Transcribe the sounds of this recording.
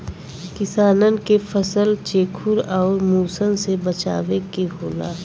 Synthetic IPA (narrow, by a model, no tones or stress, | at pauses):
kɪsaːnənkefʰəsəlt͡ʃeːkʰʊɾɔːɾmuːsənsebɐt͡ʃa̰ːʋekeɦoːla̰ː